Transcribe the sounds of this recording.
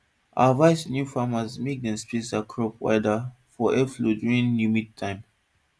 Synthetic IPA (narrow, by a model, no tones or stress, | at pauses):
ʔa̰vaɪsnjufamazmik̚dɛ̃nspisakʰɹɔpwa̰ɪda | fɔʔɛfloduĩnːjumid̚tʰãɪ̃m